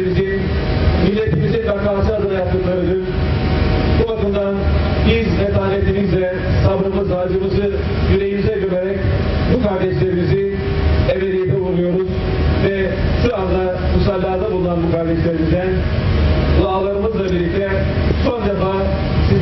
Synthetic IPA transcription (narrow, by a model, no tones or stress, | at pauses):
izin | milʲːet̪ʰimizinkaɾkaʃɯɦazɯɾajap̚t̪ːɯklˠaɾɯd̪ɯn | buvakɯmd̪anbizmet̪aːlʲet̪ʰimizlɛ | sabɯɾɯmɯzad͡ʒɯmɯzɯ | jyɾejimizɛɟøbeɾɛc | bukaɾd̪ɛʃlʲeɾimizi | eveɾebivuɾujo̞ɾuz | vɛ | ʃuɾazd̪a | musalʲːaɦad̪ˠabulˠunˠanbukʰaɾd̪ɛʃlʲeɾimizd̪æn | lˠaːlˠaɾɯmɯzlˠabiɾlʲːic̚t̪ʰɛ | sond̪efaː | si